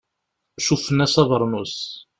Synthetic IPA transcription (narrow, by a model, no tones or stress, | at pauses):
ʃufənːæsɑðˤəɾˤnus